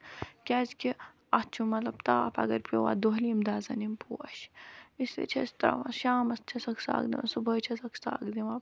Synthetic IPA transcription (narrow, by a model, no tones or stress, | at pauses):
kʲaːzkʲi | ɐt͡ʃʰumɐt̪lɐbt̪aːpʰɐ̰ɡɐɾpʲowa̰ːd̪oɦlimd̪aːzɐnimpʰuːʃisʋḛt͡ʃʰɐst̪ɐɾɐ̰ʋãʃaːmɐst͡ʃʰɐsɐksa̰ːɡd̪ḭmɐ̰subɐːjt͡ʃʰɐsɐksa̰ːɡd̪iʋɐ